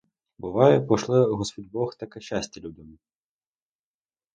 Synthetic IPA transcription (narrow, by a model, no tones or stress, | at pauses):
bɨʋɑjɛpɔʃlˠɛɣɔspɔdʲbɔxt̪akɛɕːasʲtʲɐlʲudʲɐm